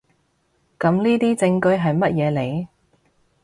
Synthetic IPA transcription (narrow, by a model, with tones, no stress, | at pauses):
kɐ˨˧˥mniː˥t̪iː˥t͡sɪ˧ŋkɵ˧ɥɦɐ˨jmɐ˥t̚jɛː˨˧le˨˧j